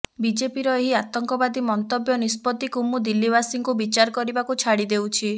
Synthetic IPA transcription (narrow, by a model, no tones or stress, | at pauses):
bid͡ʒepiɾɔeɦiat̪ɔŋkɔbad̪imɔnt̪ɔbjɔnispɔt̪ikumud̪ilːibasiŋkubit͡ʃaɾɔkɔɾibakut͡ʃʰaɽid̪ewt͡ʃʰi